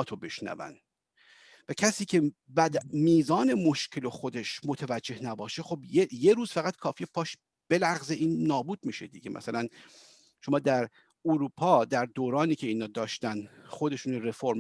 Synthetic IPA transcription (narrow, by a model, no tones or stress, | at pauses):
t̪ʰobe̞ʃnæ̰væ̰n | væcʰæsiːcʰe̞bæd̪miːzɒːne̞moʃcʰe̞loxod̪eʃmot̪ʰævæd͡ʒd͡ʒːe̞hnæbɒːʃe̞xobjejeɾuːz̥fæɣæt̪kʰɒːfiːepʰɒːʃ | b̥e̞læʁzeʔiːnːɒːbuːd̪miːʃed̪iɟemʔæ̰sælæn | ʃo̞mɒːd̪æɾ | uɾuːpʰɒːd̪æɾd̪oːɾɒːniːcʰe̞iːnɒːd̪ɒːʃt̪ænd̪χod̪e̞ʃuːnoɾefoɾm